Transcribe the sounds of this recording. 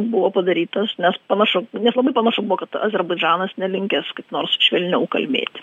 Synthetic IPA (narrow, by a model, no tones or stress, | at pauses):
bʊʋoːpɐd̪ɐɾʲiːt̪ɐsnʲɛspɐnɐʃʊnʲɛslˠɐbɐɪpɐnɑʃʊbʊʋoːkɐt̪ɐ̰zʲɛɾbɐɪd͡ʒɑːnɐsnʲɛlʲɪŋʲkʲɛskɐɪpnoːrsʃʲʋʲɛlʲnʲɛʊkɐ̰lʲmʲḛːt̪ʲ